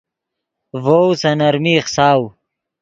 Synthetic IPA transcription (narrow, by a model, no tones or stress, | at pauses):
voːwsɐnɐɾmiːχsaːw